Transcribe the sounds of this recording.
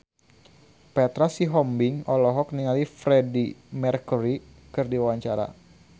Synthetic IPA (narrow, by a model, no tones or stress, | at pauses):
pɛt̪ɾasiɦɔmbiŋɔlɔɦɔk̚niŋalifɾɛdimɛrkuɾi | kɨrdiwwaɲt͡ʃaɾa̰